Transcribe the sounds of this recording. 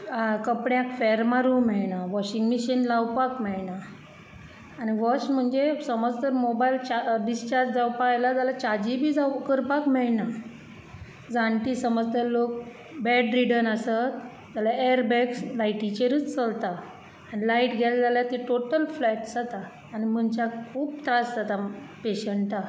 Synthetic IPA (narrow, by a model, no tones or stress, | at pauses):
kəpɳjãkfɛɾmaɾumɛɭnaʋɔɕĩŋɡmiɕənlawpakmɛɭna | ñiʋɔsm̤əɳd͡zesəməd͡zt̪əɾmobajlt͡ɕaɖist͡ɕaɾd͡ʑd͡zawpajlad͡zalat͡ɕad͡ʑibʱiːd͡zakəɾpakmɛɭna | d͡zãɳʈiːsəməd͡zt̪əɾlok | bɛɖɾiɽənasat̪ | d͡zalaeəɾbɛkslajʈit͡ɕeɾəːt͡st͡səlt̪aː | nilaiʈɡʱɛld͡zaljat̪iʈoʈəlflɛʈd͡zat̪aː | ñim̤əɳt͡ɕakkʰuːb̚t̪ɾasd͡zat̪apeɕəɳʈa